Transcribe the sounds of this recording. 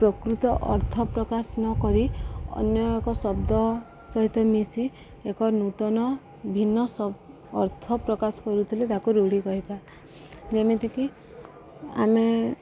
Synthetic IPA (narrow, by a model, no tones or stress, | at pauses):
pɾɔkɾut̪ɔʔɔɾt̪ʰɔpɾɔkasnɔkɔɾiɔ̰njɔekɔsɔbd̪ɔ | sɔɦit̪ɔmisi | ekɔnut̪ɔnɔ | bʱinːɔsɔ | ɔɾt̪ʰɔpɾɔkasɔ̥kɔɾut̪ʰilet̪akuɾuɽikɔɦipa | d͡ʒemet̪iki | a̰me